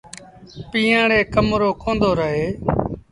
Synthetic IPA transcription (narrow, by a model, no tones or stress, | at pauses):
piːãːɽeːkəmɾoːkõːnd̪oːɾəɦeː